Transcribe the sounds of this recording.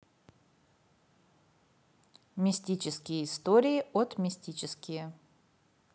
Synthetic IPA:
mʲɪsʲtʲit͡ɕɪskʲɪjəɪst̪oɾʲɪɪot̪mʲɪsʲtʲit͡ɕɪskʲɪjə

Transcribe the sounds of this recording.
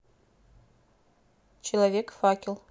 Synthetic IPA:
t͡ʃʰilavʲekʰʼfakʲʰʼɪlˠ

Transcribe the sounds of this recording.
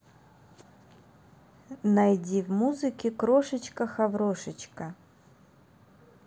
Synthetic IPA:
nɐjdʲivmuzɨkʲɪkɾoʂɨt͡ɕkəxɐvɾoʂɨt͡ɕkə

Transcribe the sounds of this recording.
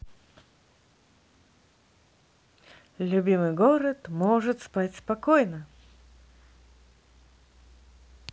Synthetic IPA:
lʲʊbʲimɨjɡoɾət̪moʐɨt̪spatʲspɐkojnə

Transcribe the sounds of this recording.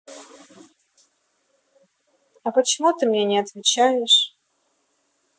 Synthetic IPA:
ɐpət͡ɕɪmut̪ɨmnʲenʲɪɐt̪vʲɪt͡ɕajɪʂ

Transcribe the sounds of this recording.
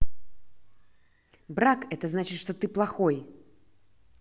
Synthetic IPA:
bɾakɛt̪əznat͡ɕɪt̪ʂt̪o̞t̪ɨplˠɐxo̞j

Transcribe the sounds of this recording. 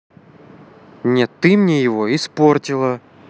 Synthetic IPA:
nʲet̪ːɨmnʲejɪvo̞ɪspo̞rtʲɪlˠə

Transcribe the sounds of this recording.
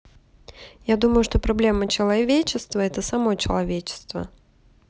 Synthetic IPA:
jad̪uməjʊʂt̪o̞pɾɐblʲe̞mːət͡ɕɪlˠɐvʲet͡ɕɪst̪vəɛt̪əsɐmo̞t͡ɕɪlˠɐvʲet͡ɕɪ̥st̪və̰

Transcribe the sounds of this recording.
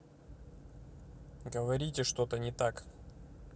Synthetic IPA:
ɡəvɐɾʲitʲɪʂt̪o̞t̪ənʲɪt̪ak

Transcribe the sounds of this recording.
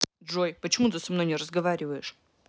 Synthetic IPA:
dʐojpət͡ɕɪmut̪ɨsɐmnojʲnɪrəzɡɐvaɾʲɪvəjɪʂ

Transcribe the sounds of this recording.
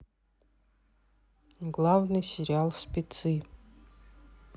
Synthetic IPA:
ɡlˠavnɨjsʲeɾʲialˠspʲʼit͡sʰɨ

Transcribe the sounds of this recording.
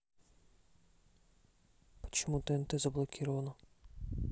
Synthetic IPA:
pɔ̥t͡ʃɔmut̪ɛnt̪ɛzɐblˠɔkʲiɾɔʋɐnɔ

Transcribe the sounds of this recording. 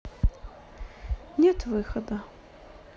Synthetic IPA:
nʲɛt̪vɨxɐd̪ɐ

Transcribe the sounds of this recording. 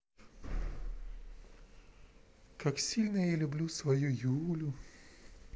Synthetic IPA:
kɐksʲiːlʲnʲɛɪlʲʊbʲlʲuːsʋɐjʊjuːlʲuː

